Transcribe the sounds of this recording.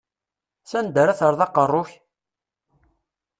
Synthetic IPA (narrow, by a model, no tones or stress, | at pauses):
sænd̪əɾæθəɾˤðɑqərˤːoç